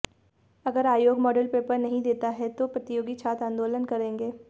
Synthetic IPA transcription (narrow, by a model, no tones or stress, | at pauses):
ɐɡəɾaːjoːɡmɔːɖəlpeːpəɾnɐɦĩd̪eːt̪aɦɛt̪opɾɐt̪ɪjoːɡit͡ʃʰaːt̪ãːnd̪oːlənkɐɾẽːŋɡeː